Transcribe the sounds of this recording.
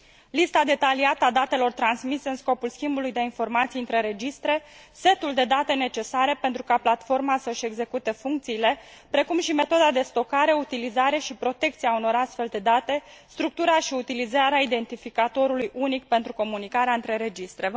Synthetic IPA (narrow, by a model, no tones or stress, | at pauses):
list̪ad̪e̞t̪aliat̪əad̪at̪e̞lo̞rt̪ɾansmiseɨnsko̞pulskʲimbulujd̪einfo̞rmat̪sijɨnt̪ɾe̞ɾe̞d͡ʒist̪ɾe̞ | se̞t̪uld̪e̞d̪at̪e̞ne̞t͡ʃe̞saɾe̞pent̪ɾukaplat̪fo̞rmasəʃe̞ɡze̞kut̪e̞fuŋk̚t̪siːle̞pɾe̞kumʃime̞t̪o̞d̪ad̪e̞st̪o̞kaɾe̞ut̪ilizaɾe̞ʃipɾo̞t̪e̞k̚t̪siauno̞ɾast̪fe̞ld̪e̞d̪at̪e̞ | st̪ɾuk̚t̪uɾaʃiut̪ilizaɾeaid̪e̞nt̪ifikat̪o̞ɾulujʔunikpe̞nt̪ɾuko̞munikaɾeaɨnt̪ɾe̞ɾe̞d͡ʒist̪ɾe̞